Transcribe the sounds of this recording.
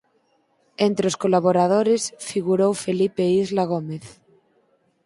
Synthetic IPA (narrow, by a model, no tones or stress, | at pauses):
ent̪ɾeoskolaβoɾað̞oɾesfiɣuɾowfelipeizlaɣ̞omeθ